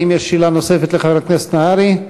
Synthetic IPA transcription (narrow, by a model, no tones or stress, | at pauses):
imjeʃːilanosefet̪leχaveat̪knese̥t̪naaɾi